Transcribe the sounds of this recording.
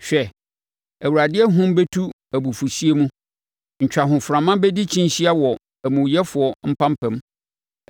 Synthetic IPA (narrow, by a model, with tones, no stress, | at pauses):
ɕᶣɛ˨ | æ˨wu˨ɾa˨dɪ˦ɛ˦ɦʊ̃˦m˦be˦tʰu˦ | æ˨bu˨fu˨si˦e˦mũ˦ | ɲ̩˨t͡ɕᶣa˨ɦʊ̃˨fʊ˨ɾã˨mã˦bɛ˦di˦t͡ɕʰĩ˦n˨ɕi˦a˦wɔ˨ | æ˨mũ˨jɛ˦fʊ˨ɔ˨m̩˦pʰã˦m˦pʰɛ̃˨m